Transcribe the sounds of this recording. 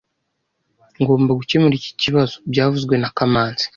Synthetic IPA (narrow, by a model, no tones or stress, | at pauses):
ŋɡo̞ːmbaɡucemuɾici̥ciβazobɟaːvuzɡwe̞nakamaːnzi̥